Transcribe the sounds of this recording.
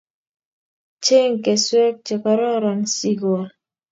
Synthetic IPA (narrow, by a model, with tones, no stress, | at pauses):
t͡ʃe˦ŋ̩˨ke˨swɛ˦k̚t͡ʃe˨ka˨ɾɔ˦ɾa˨nsi˦ɡɔ˨l